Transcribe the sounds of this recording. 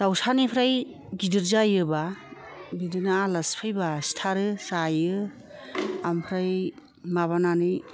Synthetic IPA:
d̥awsanipʰɾaj | ɡidɯɾzajɯba | bidɯnalɐspʰajbastʰaɾɯsajɯ | ampʰɾaj | maβananɯj

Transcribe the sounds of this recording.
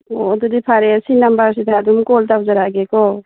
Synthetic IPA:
ɔdudipʰaɾesinambasitʰadumkɔltawzaɾaɡekɔ

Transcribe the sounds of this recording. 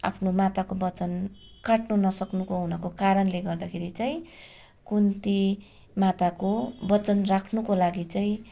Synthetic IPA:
a̰pʰnomat̪akobʌt͡sʌnkaʈnunʌsʌknukoɦunʌkokaɾʌnleɡʌrd̪akʰeɾit͡saĩ | kunt̪i | mat̪akobʌt͡sʌnrakʰnukolaɡit͡saĩ

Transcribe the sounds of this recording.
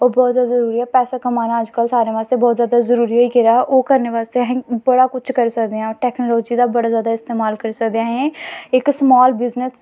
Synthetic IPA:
ɔːbɔːt̪zaːd̪zəɾuːɾiɦɛːpɛːsakəmaːnaəd͡ʒkəlsaːɾeːʋaːst̪ebɔːt̪zjaːd̪azəɾuːɾiɦoːikeɾaːʔoːkəɾneʋaːst̪eɦɛ̃ːbəɽaːkʊt͡ʃʰkəɾsəkd̪eãʈɛːknoːlɔːd͡ʒid̪aːbəɽaːzjaːd̪aɪst̪eːmaːlkəɾsəkd̪eaːɦɛ̃ːɪksmɔːlbɪznəs

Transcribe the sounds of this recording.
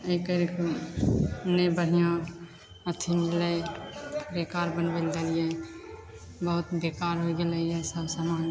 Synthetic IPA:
əikəɾeko | nebəɽ̤ijɔɾ | ət̪ʰinɪləj | ɾekaːɾbənbəld̪alije | bəɦʊt̪bekaːɾɦoiɡeləiɦɛsəbsaːmaːn

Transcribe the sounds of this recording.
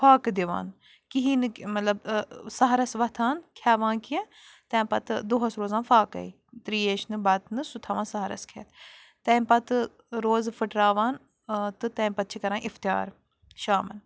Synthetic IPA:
faːkd̪iʋa̰ːn | kiɦiːnɨmɐt̪lɐbsɐɦɾɐsʋɐt̪ʰaːnkʰjaːʋãːnkiẽ | t̪ɛ̃ːmpɐt̪d̪oːɦɐsɾoːzãːnfaːkɐ̰i | t̪ɾiːeːʃnɨbɐt̪nɨsut̪ʰaːʋãːnsɐɦɾɐ̰skʰḛːt̪ | t̪ɛ̃ːmpɐt̪ | ɾoːzfɨʈɾaːʋaːn | t̪ɨt̪ɛ̃ːmpɐt̪̚t͡ʃʰikɐɾãːnʔift̪ja̰ːɾ | ʃaːmɐn

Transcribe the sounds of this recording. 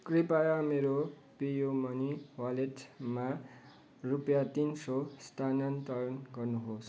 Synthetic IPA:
kripajameɾo | pijomʌniwaleʈma | rupjat̪insost̪ʰanant̪ʌjʌnɡʌrnuɦos

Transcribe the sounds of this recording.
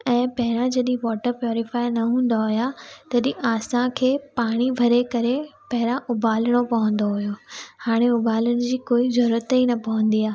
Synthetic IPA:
ɛ̃ːpɐɦɪɾãd͡ʑɐɗĩʋɔːʈəɾpjɔːɾɪfaːinɐɦũːn̆d̪aɦʊjat̪ɐɗĩʔaːsãkʰeːpaːɽ̃ibʱɐɾekɐɾepɐɦɪɾãʔʊbaːləɽ̃opɐʋə̃nd̪oɦujohaːɽ̃eʊbaːləɽ̃ɪ̆d͡ʑiːkoːizɐɾɾət̪inɐpɐʋə̃nd̪iaː

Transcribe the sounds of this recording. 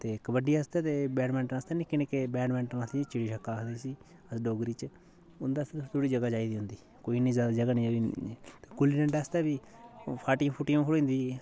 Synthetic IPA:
t̪eːkəbəɖiːəst̪eːt̪eːbɛːɾmɛ̃ːɳʈnaːst̪eːnĩːkɪneːkeːbɛːɖmɛ̃ːɳʈɾast̪it͡ʃɪɽiːʃəkːaːkʰd̪eːsiː | əsɖoːɡɾiːt͡ʃ | ʊnd̪aːst̪eːt̪ːt̪uɽiːd͡ʒəɡaːd͡ʒaːiːd̪iːɦʊnd̪iː | koːiːnĩːzjaːd̪aːd͡ʒəɡaːnĩːit̪eːkʊliɾɛ̃ːɳʈast̪eːbiːpʰaːʈĩpʰʊʈĩõːkʰəɽoĩːnd̪iː

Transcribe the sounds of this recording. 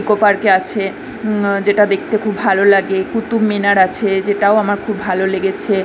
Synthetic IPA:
ikopaɾkeat͡ɕʰe | d͡ʑeʈad̪ek̚ʰt̪ekʰubʱalolaɡekut̪ubminaɾat͡ɕʰed͡ʑeʈaoamaɾkʰubʱaloleɡet͡ɕʰe

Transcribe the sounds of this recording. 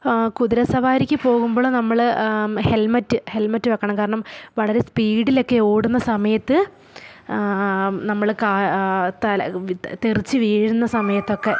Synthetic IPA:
kuðiɾɐsɐʋaːɾikʲːɨpo̞ːɣumbo̞ːɭnɐmːɐɭhe̞lmɐtːɨhelmɐtːɨʋɐkːɐɳɐmkaːɾɐɳɐmʋɐɭɐɾe̞spiːɽilo̞kːe̞oːɽunːɐsɐmɐjɐt̪ːɨ | nɐmːɐɭkaːt̪ɐlt̪erit͡ɕːɨʋiːɻɻunːɐsɐmɐjɐt̪ːo̞kːe̞

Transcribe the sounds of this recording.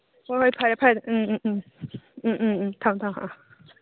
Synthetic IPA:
wɔxweɪpʰapʰaɪd̪n̩n̩t̪ʰɑŋt̪ʰɑŋhɑ̰

